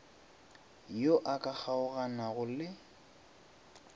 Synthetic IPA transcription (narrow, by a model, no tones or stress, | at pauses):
joʔakʼak͡xʰaʊɣanaɣʊlɪ